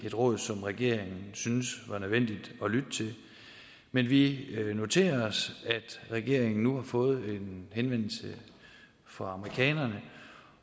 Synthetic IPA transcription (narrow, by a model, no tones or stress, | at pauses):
e̝d̥ʁɔ̽ːð̞ˠsɒ̽mʁaɡ̥e̝̰ɐ̰eŋn̩synsʋɑ̈nøð̞ˠʋen̰d̥id̥ɒ̽lyd̥ət͡sʰe̝l | menʋino̝t͡sʰe̝̰ːɐɒsæd̥ʁɛɡ̥e̝ɐ̰eŋn̩ːuhɑ̈fɔ̽ːð̞̩ˠe̝nɦenʋen̰l̩sə | fɒ̽ɑ̈məʁikʰɛ̰ːnɐnə